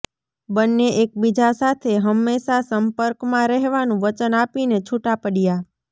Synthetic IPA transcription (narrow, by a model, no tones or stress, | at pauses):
bənːeʔek̚bid͡ʒasat̪ʰeɦəmːeʃasəmpəɾkmãɾɛɦʋanũʋət͡ʃənapinet͡ʃʰuʈapəɽija